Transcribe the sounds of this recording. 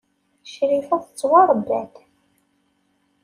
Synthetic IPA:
ʃɾifæðət͡sːwɑɾˤbːæ̰θ

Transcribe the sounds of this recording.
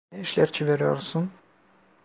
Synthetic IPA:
ɛiʃlʲæɾt͡ʃʰiveɾijo̰ɾsun

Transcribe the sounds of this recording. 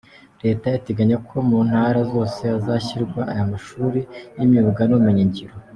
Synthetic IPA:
ɾe̞ːtajiteɡaɲakʰo̞mun̥haːɾazo̞ːse̞azaçiɾɡwaʔajamaʃuːɾijimjuːβɡanumuɲiɲɟiɾo

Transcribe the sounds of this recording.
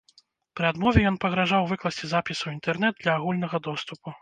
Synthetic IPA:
pɾɨad̪mɔvʲɛjɔnpɐɣɾaʐawvɨklˠɐsʲt͡sʲizapʲisɐwint̪ɛrnɛd̪̚d̪lʲɐːɣulʲnɐɣɐd̪ɔst̪upu

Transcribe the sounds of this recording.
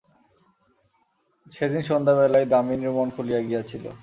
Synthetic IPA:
t͡ɕʰed̪inʃond̪aβɛlajd̪aminiɾmonkʰolijaɡiat͡ɕʰilo̰

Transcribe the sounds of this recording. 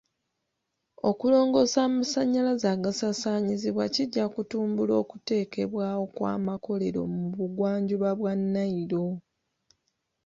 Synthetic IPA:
o̞kulo̞ːŋɡo̞saːmasaɲːalazaːɡasasaːɲiziβwaciɟːakutuːmbulo̞ːkute̞ːke̞βwaːwo̞kwa̰ːmako̞le̞ɾo̞̰muβuɡwaːɲɟuβaβwanːaiɾo̞

